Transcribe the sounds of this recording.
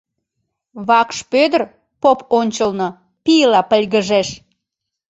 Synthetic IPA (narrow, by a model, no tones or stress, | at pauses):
βɑkʃpød̪ər | poponʲt͡ɕəlnɤ | piəlɑpəlʲɣəʒeʃ